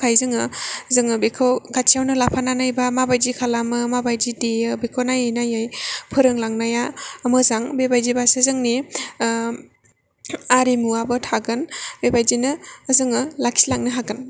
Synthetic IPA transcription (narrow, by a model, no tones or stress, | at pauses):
kʰajzɯŋɯzɯŋɯbekʰawkʰat͡ʃʰijawnɯlapʰananajbamabajzikʰalamɯmabajd͡ʒideɯbekʰonajajnajajpʰɯɾɯŋlaŋnajaəmɯzaŋbebajzibasɯzɯŋni | aɾimuabɯtʰaɡɯnbebajzinɯːzɯŋɯlakʰilaŋnɯɦaɡɯn